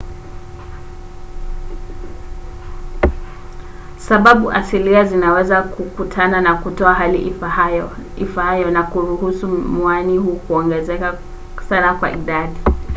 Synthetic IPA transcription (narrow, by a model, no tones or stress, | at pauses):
saɓaɓuʔa̰siliazinawɛzakʰukutʰananakutɔaɦalḭʔajɔḭfahajɔnakuɾuɦusumwanihuːkuɔŋɡɛzɛka | sanakwa̰ʔiɗaɗi